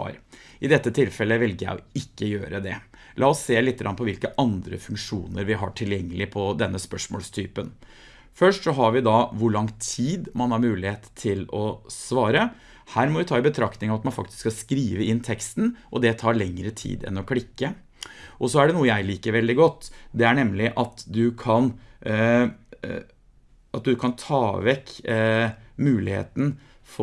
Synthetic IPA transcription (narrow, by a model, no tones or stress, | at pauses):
ɾɪd̪ɛt̪ːət̪ʰɪlfɛlːəʋɛlɡəjæ̰ɪɔɪkːəjø̰ːɾəd̪ɛ | lʔɑːɔsːeːlɪt̪ːəɡɾɑnpʰɔʋɪlkəʔɑnd̪ɾə̰fʉŋkʂṵːnəɾʋɪɦɑ̰ʈʰɪljɛŋːəlɪpʰɔd̪ɛnːəspœʂmo̰ːlst̪ʰyːpən | fœʂʈsɔɦɑɾʋɪd̪ɑʋʊɭɑŋt̪ʰiːd̪mɑnhɑɾmʉːlɪheːt̪ʰːɪlɔsʋɑːɾə | hæːɾmɔʋɪt̪ʰɑːɪbət̪ʰɾɑkt̪ɪŋɑʋɑt̪mɑnfɑ̰k̚t̪ɪ̥sskɑskɾiːʋəɪnːt̪ʰɛkst̪nʔɔd̪ɛt̪ʰɑːɾɭɛŋːɾət̪ʰḭːd̪ɛ̰nɔkʰɽɪkːə | ʔɔsɔæɖɛnuːəjæɪliːkəɾʋɛld̪ɪɡɔt̪ːd̪ɛæɳɛmlɪʔɑt̪d̪ʉkʰɑn | ɑt̪̚d̪ʉkʰɑnt̪ʰɑːʋɛkː | mʉːlɪhḛːt̪n̩ | fɔ